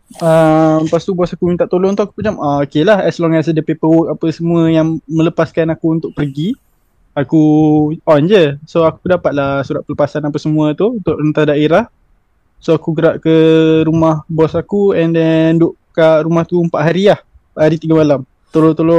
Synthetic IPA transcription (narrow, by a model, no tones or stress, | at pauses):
ampast̪ubɔsakumint̪aʔt̪oloŋt̪uaku̥pət͡ʃamaokelahɛslɔŋas̬ədəpepəwɔk̚apəsəmuəjaŋmə̃ləpaskanakuunt̪ʊʔpərɡi | akuɔnd͡ʒəsoaku̥ədapat̪̚lahsuɾat̪ʔ̪̚pələpasanapəsəmũət̪uunt̪ʊʔrənt̪adaeɾah | soakuɡəɾaʔkəɾumahbɔsakuɛndɛndʊʔkaʔɾumaht̪uəmpaʔɦaɾiah | mpaʔhaɾit̪iɡamalam | t̪olot̪olo